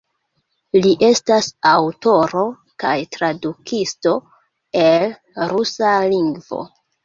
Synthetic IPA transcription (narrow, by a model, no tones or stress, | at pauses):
liʔe̞stasawto̞ɾo̞ | kajtɾadukʰisto̞ | e̞l | ɾusaliŋɡvo̰